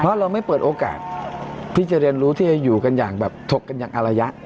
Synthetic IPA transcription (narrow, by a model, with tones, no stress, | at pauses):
ɔ˦a˥˩ɾa˧wma˥˩jpɤː˨˩t̪̚ʔoː˧ka̰ː˨˩t̪̚ʰːiː˥˩t͡ɕa˨˩ɾi˧ənɾuː˦˥t̪ʰiː˥˩a˧juː˨˩ka˧njaː˨˩ŋbɛː˨˩p̚t̪ʰo˨˩k̚ːa˧njaː˨˩ŋʔa˧ɾa˧ja˦˥ʔ